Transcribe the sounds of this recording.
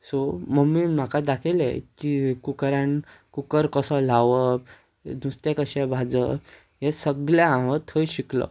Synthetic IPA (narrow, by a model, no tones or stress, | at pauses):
soməɡmːim̤akad̪akʰelḛkikukɾãn | kukəɾkəsɔl̤aʋə | d̪ʱust̪jakəɕabʱad͡zə | ɦesəɡljaãʋət̪ʰəjɕiklɔ̰